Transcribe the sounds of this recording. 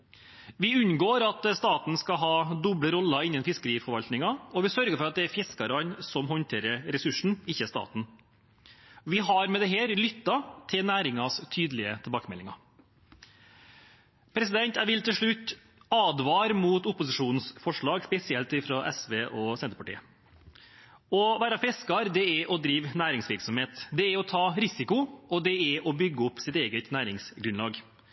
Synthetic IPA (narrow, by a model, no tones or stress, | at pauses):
ʋɪʉnɡoːɾɑt̪st̪ɑːt̪n̩skɑɦɑːd̪ɔbləɾɔlːɑɪnːənfɪskəɾiːfɔɾʋɑlt̪nɪŋɑɔʋɪsœɾɡəɾfɔɾɑt̪̚d̪ɛæɾfɪskɑɾɑnsɔmɦɔnt̪ʰeːɾəɾɾɛsʉʂɳ̩ɪçːəst̪ɑ̰ːt̪n̩ | ʋɪɦɑɾmɛd̪ɛɦeːɾlʏt̪ːɑt̪ʰɪlnæːɾɪŋɑst̪ʰyːd̪əlɪət̪ʰɪlbɑːkəmɛlːɪŋɑ | pʰɾɛsɪd̪ɛnt̪æɾʋɪlt̪ʰɪlʂɭʉt̪ː | ɑːd̪ʋɑːɾmuːt̪ʊpʊsɪʂuːnn̩sfɔʂɭɑːɡspɛsɪɛlt̪ɪfɾɔʔɛsʋeːʔɔsɛnt̪ɾəpɑʈḭːə | ɔʋæːɾɑfɛskɑɾd̪ɛæʔɔd̪ɾiːʋnæːɾɪŋsʋɪɾksɔmheːt̪d̪ɛæɾɔt̪ʰɑːɾɪsɪkʊɔd̪ɛæʔɔbʏɡːəʊpːsɪt̪eːɡət̪næːɾɪŋsɡɾʉnlɑːɡ